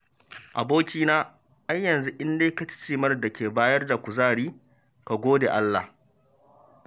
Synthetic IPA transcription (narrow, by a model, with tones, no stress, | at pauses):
ʔa˨boː˦kʲiː˦naː˦ | ha˦jːɐ˨nzu˦ʔɪ˦ndeː˦ka˦t͡ʃɪ̥˦t͡ʃiː˨mɐ˦rda˨kʲeː˨baː˦jɐ˦rda˨kʷʊ˨zaː˦˨ɽiː˦ | ka˨ɡʷoː˦dḛː˨ʔa˦lːa̰˨h